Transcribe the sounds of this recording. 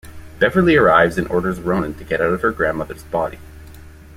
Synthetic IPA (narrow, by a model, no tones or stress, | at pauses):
b̥ɛvə˞lˠiə˞aɪvzɨ̃nʔɔɹɾə˞zɹõʊ̃nɨ̃ntʰɨɡɛɾaʊɾʌv̥ə˞ɡɹæ̃nmʌðə̰˞zbɑɾḭ